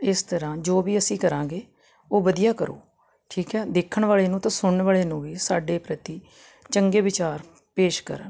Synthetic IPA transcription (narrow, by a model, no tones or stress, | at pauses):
ɪst̪əɾãːd͡ʒoːʋiːəsĩːkəɾãːɡeː | oːʋəd̪ijaːkəɾo̰ː | ʈʰiːkɛːd̪eːkʰəɳʋaːɭeːnũːt̪ãːsʊɽɳʋaːɭeːnũːʋiːsaːɖeːpɾət̪iː | t͡ʃəŋɡeːʋɪt͡ʃaːɾ | peːʃkə̰ɾə̰n